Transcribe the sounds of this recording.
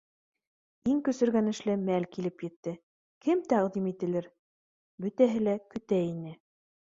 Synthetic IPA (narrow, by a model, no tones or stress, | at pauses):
iŋkɵ̆sɘ̆ɾɡænɘ̆ʃlɘmælkilɘpjɘ̆t̪ːɘ | kɘmt̪æʁd̪imit̪ɘ̆lɘɾ | bɵ̆t̪æɦɘlækɵ̆t̪æinɘ